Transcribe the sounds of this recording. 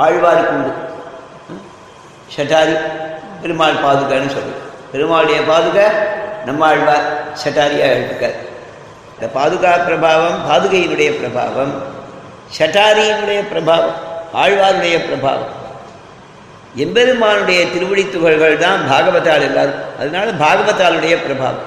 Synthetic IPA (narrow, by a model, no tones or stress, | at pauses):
aːɻʋaːɾkːʊɳɖɯ | sɐʈːaːɾimbɛɾɯmaːlpaːðɯɣɐnːɯsɔlːɯpɛɾɯmaːnɯɽɐjɐpaːðɯɣɐnɐmːaːɻʋaːɾsɐʈːaːɾɪjaːʈːɯkːɐːɾ | ɐnd̪ɐpaːðɯɣaːpɪɾɐbʱaːʋɐmpaːðɯɣɐjɪnɯɽɐjɐpɪɾɐbʱa̰ːʋɐm | ʃɐʈːaːɾɪjɐnɯɽɐjɐpɪɾɐbʱaːʋɐmaːɻʋaːɾɯɽɐjɐpɪɾɐbʱa̰ːʋɐ̰m | ɛmbɛɾɯmaːnɯɽɐjɐt̪ɪɾɯʋɐɽɪt̪ːʊɣɐɭɣɐɭt̪ãːnbʱaːɣɐʋɐt̪ːaːlɪɾnda̰ːɾɯ̃mɐ̰ðɐnaːlɐbʱaːɣɐʋɐt̪ːaːlɯɽɐjɐpɪɾɐbʱa̰ːʋɐ̰m